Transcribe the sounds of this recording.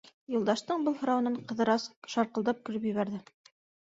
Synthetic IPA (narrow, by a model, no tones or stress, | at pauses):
jŭlˠd̪ɑʃt̪ɤɴbɤlˠhŏɾɑwɤ̆nɤɴqɤ̆ðɤ̆ɾɑsʃɑɾqɤ̆lˠd̪ɑp̚kɵ̆ɾɵpjɵ̆βæɾðɘ